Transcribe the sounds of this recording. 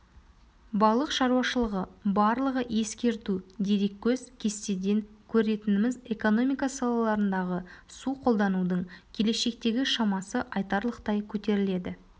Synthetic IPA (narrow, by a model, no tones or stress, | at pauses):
bɑlˠəqʃɑɾuwɑʃəlˠəʁəbɑɾlˠəʁəje̞skʲe̞ɾt̪ud̪e̞ɾe̞kʲːɵzkʲʰe̞st̪e̞d̪e̞ŋkʲʰɵɾe̞t̪ɪnɪmɪze̞ko̞no̞mijkasɑlˠɑlˠɑɾənd̪ɑʁəsuqʰo̞lˠd̪ɑnud̪əɴkʲʰe̞le̞ʃe̞k̚t̪e̞ɡʲɪʃɑmɑsəʔɑjt̪ɑɾlˠəqt̪ɑjkʲʰɵt̪e̞ɾɪle̞d̪ɪ